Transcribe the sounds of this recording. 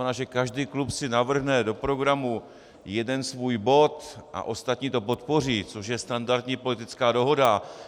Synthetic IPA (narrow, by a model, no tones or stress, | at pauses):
ɛnaːʒɛkaʒdiːklupsɪnavr̩ɦnɛdo̞pɾo̞ɡɾamu | jɛdɛnsvuːjbo̞t̪ʔa̰ʔo̞st̪at̪ɲiːt̪o̞po̞t̪po̞r̝iːt͡so̞ʃjɛst̪andaɾt̪ɲiːpo̞lɪt̪ɪt͡skaːdo̞ɦo̞da